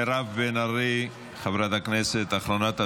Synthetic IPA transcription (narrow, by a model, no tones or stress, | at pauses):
eɾavvenaɾi | χavɾat̪akneset̪aχlonat̪a